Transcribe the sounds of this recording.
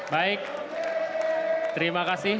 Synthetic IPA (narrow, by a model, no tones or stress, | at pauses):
bajk | t̪ɾimaɣasi